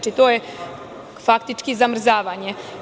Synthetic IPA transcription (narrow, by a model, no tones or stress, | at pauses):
t͡ʃit̪oːje | fakt̪it͡ʃkizamr̩zaːʋaɲe